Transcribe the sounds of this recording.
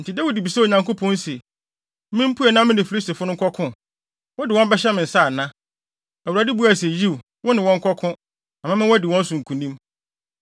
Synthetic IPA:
n̩˨tʰi˨dæ˦wu˨di˨bi˨sɛ˦o˨ɲã˨ŋko˦pʰɔ̃˦n̩˦se˨ | mɪ̃˦m̩˦pʰu˦ɛ˨nã˦mɪ̃˦ndɪ̃˨fi˨li˦sti˨fʊ˦ʊ̃˦ŋ̩˦kʰɔ˦kʰʊ̃˦ | wɔ˦dɪ˨wɔ̃˦bɛ˦ɕɛ˦mɪ̃˨n̩˨sa˦˨nã˦ | æ˨wu˨ɾa˨di˦bu˦a˨se˨ji˦w | wʊ˦nɪ̃˨wɔ̃˦ŋ̩˦kʰɔ˦kʰʊ̃˦ | ã˨mã˦mɪ̃˦wɔ˦dɪ˨wɔ̃˦n˦sʊ̃˨ŋ̩˨kʰũ˨nĩ˦m

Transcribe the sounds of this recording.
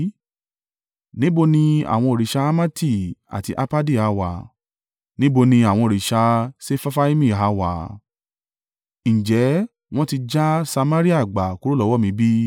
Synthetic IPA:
nĩ˨˦bo˧nĩ˧a̰˨w̃ɔ̃˧o˨ɾi˨ʃa˧a˦ma˦ti˦˨a̰˨ti˧ʔa˧pa˦di˦˨a˨˧wa˨ | nĩ˦bo˧nĩ˧a˨w̃ɔ̃˧o˨ɾi˨ʃa˧se˦fa˦fa˦i˦mĩ˦˨ɦa˨˦wa˨ | ñ̩˨d͡ʒɛ˨˦ | w̃ɔ̃˦ti˧d͡ʒa˦sa˧mã˦ɾi˦a˦˨ɡ͡ba˨ku˨˦ɾo˦lɔ˨˦wɔ˦mĩ˧˦bi˦

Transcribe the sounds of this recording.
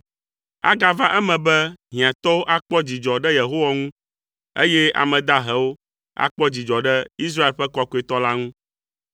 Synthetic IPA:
a̰˦ɡa˦va˦ʔɛ˦mɛ̃˨bɛ˦ɦĩ˨ã˨t̪ɔ˦wo˦ʔa˦k͡pɔ˦d͡ʑi˨d͡ʒɔ˨ɖɛ˦je˨ɦo˦wa˦ŋũ˦ | ḛ˦jɛ˦a̰˨mɛ̃˨d̪a˦ɦɛ˦wo˦ | a̰˦k͡pɔ˦d͡ʑi˨d͡ʒɔ˨ɖɛ˦i˦s̬ɾa˦e˨lɸɛ˦kɔ˦ko˦e˦˨t̪ɔ˦la˦ŋũ˦

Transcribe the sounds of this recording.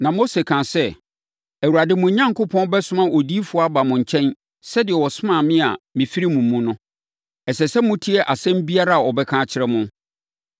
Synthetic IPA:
nã˨mo˦se˨kʰã˨sɛ˦ | æ˨wu˨ɾa˨dɪ˦mʊ̃˨ɲã˦ŋkʊ˦pʰɔ̃˦n˦bɛ˦sʊ̃˦mã˦ʔɔ˨di˦fʊ˦a˦ba˨mʊ̃˨ɲ̩˨t͡ɕʰɛ̃˦n | sɛ˦dɪ˨ɛ˨wɔ˨sʊ˦mã˦˨mɪ̃˦a̰˨mɪ̃˨fi˦ɾi˦mũ˨m̩ː˨˦ũ˦nʊ̃˦ | ɛ˨sɛ˨sɛ˦mʊ̃˦tʰi˦ɛ˦ʔa˨sɛ̃˦m̩˦bi˦a˦ɾa˦a˨ɔ˨bɛ˦kʰãː˦˨t͡ɕʰɪ˦ɾɛ˦mʊ̃˦

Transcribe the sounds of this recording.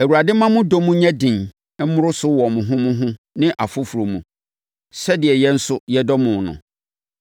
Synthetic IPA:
æ˨wu˨a˨dɪ˦mã˦mʊ̃˦do˦mũ˦ɲɛ̃˦dɪ̃˨n | ɛ˦mʊ̃˦ɾʊ˦sʊ˦wɔ˨mʊ̃˨ɦʊ̃˦mʊ̃˦ɦʊ̃˦ | nɪ̃˦ʔa˨fʊ˦fu˨ɾo˨mũ˨ | sɛ˦dɪ˨ɛ˨jɛ˦n̩˦sʊ˦jɛ˦dɔ˦mʊ̃˨nʊ̰̃˨

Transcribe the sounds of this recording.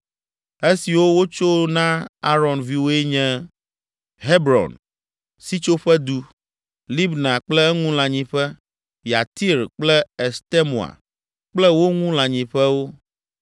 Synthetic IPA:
e˦si˨wo˦wo˦t͡ʃo˦nã˦a˦ɾɔ˨nvi˦wo˦e˦ɲɛ̃˦ | ɦe˦bɾɔ̰˨n | si˦t͡ʃo˦ɸɛ˦d̪u˦ | li˦bnã˨k͡plɛ˦ɛ˦ŋũ˦lã˨ɲĩ˨ɸɛ˦ | ja˨t̪i˦ɾk͡plɛ˦e˨st̪e˦mu˨a̰˨ | k͡plɛ˦wo˦ŋũ˦lã˨ɲĩ˨ɸɛ˦wo˦

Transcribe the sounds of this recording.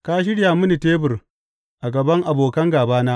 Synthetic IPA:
kaː˦ʃ̬ɪ˦ɽjaː˨mʊ˦ni˨teː˦bʊ˨r | ʔa˨ɡɐ˨bɐ˦ŋʔa˨boː˨kɐ˦ŋɡaː˨baː˦naː˦

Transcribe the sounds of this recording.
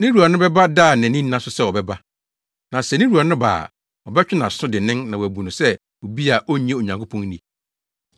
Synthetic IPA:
nĩ˦ɾu˨a˨nʊ̃˦bɛ˦ba˦da˦˨nɛ̃˨nɪ̃˦n˦nã˦sʊ˦sɛ˦˨wɔ˨bɛ˦ba˦ | nã˨sɛ˨nɪ̃˦ɾu˨a˨nʊ̃˦ba̰ː˨ | ɔ˨bɛ˦t͡ɕᶣɪ˦nã˨sʊ̃˦dɪ˨nɪ̃˦nnã˨wɔ˨æ˨bu˨nʊ̃˨sɛ˦ | o˨bi˦a˨ʔo˦ɲ˦ɛ̃˦˨o˨ɲã˨ŋkʰo˦pʰɔ̃˦nnĩ˨

